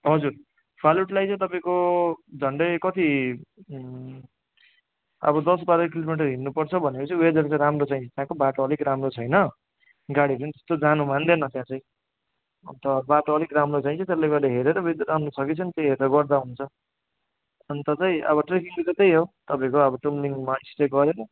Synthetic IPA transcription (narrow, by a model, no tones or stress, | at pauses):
ɦʌd͡zur | pʰaluʈlajt͡sʌ̃ĩt̪ʌpaĩkod͡zʱʌɳɖʌjkʌt̪i | ʌ̰bʌd̪ʌsbaɾʌkilomiʈ̬ʌɾɦinːupʌrt͡sʰʌbʱʌnekot͡sʌĩwed͡zʌɾt͡saɾamrot͡sãj̃t͡sʰʌ̥̃t̪jãkobaʈoːlikɾamrot͡sʰʌjnʌ | ɡaɽiɾʌnit̪e̥st̪od͡zanumand̪enʌt̪jãt͡sãĩ | ʌnt̪ʌbaʈoʌlikɾamrot͡saĩt͡sʰʌt̪elːeɡʌleɦeɾeɾʌwed͡zʌrɾamrosʰʌkit͡sʰʌnit̪eɦeɾeɾʌɡʌrd̪aɦunt͡sʰʌ | ʌnt̪ʌt͡sãĩʔʌ̰βʌʈrekiŋlet͡sʌt̪ejɦot̪ʌpãĩkoʌbʌʈumliŋmaisʈeɡʌɾenʌ